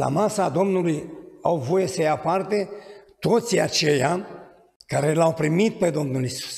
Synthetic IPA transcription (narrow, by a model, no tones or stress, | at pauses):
la̰masad̪o̞mnulujawvo̞jesəjapart̪et̪o̞t̪sia̰t͡ʃe̞ja | kaɾe̞lawpɾimit̪̚pe̞d̪o̞mnulisu̥s